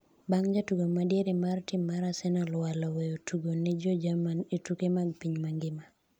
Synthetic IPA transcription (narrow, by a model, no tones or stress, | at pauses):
baŋd͡ʒatuɡomadjeɾɪmartimːaɾasɛnɔlwalɔwejotʰuɡonɪd͡ʒod͡ʒamanetukemaɡpiɲmaŋɡɪma